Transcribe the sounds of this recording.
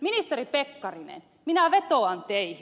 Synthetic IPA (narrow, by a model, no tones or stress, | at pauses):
minist̪eɾipekːɑrinḛn | minæʋet̪oɑnt̪eih